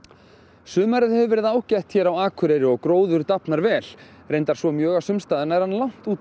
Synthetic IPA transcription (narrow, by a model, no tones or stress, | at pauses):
sʏːmaɾɪðhɛvʏvɛːɾɪðaaːwcɛht̪çɛːɾawaːkʰʏɾɛɾɪɔɣkɾoːwðʏɾt̪apnaɾvɛːl̥ | rejnt̪aɾ̥svɔmjœːɣasʏmst̪aːðɪnaɛɾ̥hanːlawn̥t̪uːt̪